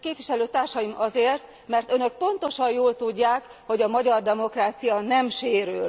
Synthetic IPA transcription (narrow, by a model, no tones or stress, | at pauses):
keːpʋiʃɛløːt̪aːrʃɒjimɒzeːrt̪ | mɛrt̪ønø̞k̚po̞nt̪o̞ʃɒjjoːlt̪uɟːaːk | ho̞ɟɒmɒɟɒrd̪ɛmo̞kraːt̪sijɒnɛmʃeːɾyl